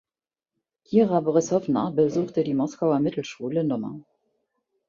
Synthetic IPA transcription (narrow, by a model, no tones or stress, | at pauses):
ʔiːʁabɔʁɪshɔvnɐ̰bəzuːχtədiːmɔskaʊɐmɪtl̩ʃuːlənɔmɐ̰